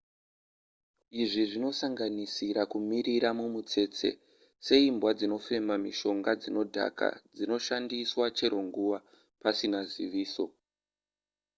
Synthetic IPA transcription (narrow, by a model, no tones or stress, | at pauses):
iʐiʐino̞saŋɡanisiɾakumiriɾamumut͡se̞ːt͡se̞̰ | se̞imbwad͡zino̞fe̞mamiʃo̞ŋɡad͡zino̞dʱa̰ka̰d͡zino̞ʃandiswat͡ʃe̞ɾo̞ŋɡuʋa | pasinazḭʋiːso̞